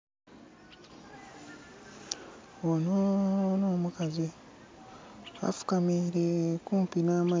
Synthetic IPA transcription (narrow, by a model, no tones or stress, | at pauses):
ononoːmukazi | a̰fu̥kamiɾekuːmpinaːma